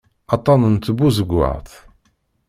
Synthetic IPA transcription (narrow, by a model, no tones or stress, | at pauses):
ɑt̪ˤːɑnənt̪ːəbuzəɡʷːə̰ʁθ